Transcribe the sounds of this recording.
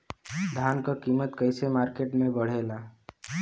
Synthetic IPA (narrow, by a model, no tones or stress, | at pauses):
d̪ʱankəkimət̪kəjsemaɾkeʈmebəɽ̤ela